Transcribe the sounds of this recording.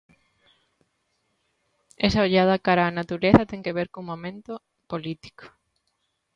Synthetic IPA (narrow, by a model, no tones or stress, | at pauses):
esɐoʎað̞ɐkaɾaːnat̪uɾeθɐt̪eŋkeβeɾkoŋmõmẽnt̪o | polit̪i̥ko̥